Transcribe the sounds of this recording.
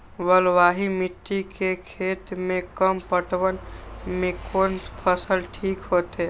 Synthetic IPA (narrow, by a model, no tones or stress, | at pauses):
wəlʋaːɦimiʈ̪ːikekʰeːt̪mẽkəmpəʈwənmẽkoːnpʰəsəlʈʰiːkɦot̪e